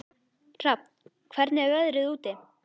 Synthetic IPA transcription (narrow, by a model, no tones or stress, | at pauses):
r̥ap̚n | kʰvɛɾt̪nɪɛɾœðɾɪðuːt̪ɪ